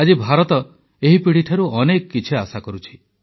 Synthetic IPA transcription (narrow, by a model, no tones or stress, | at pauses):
ad͡ʒibʱaɾɔt̪ɔ | eɦipiɽiʈʰaɾuɔnekɔkːit͡ʃʰiasakɔɾut͡ʃʰi̥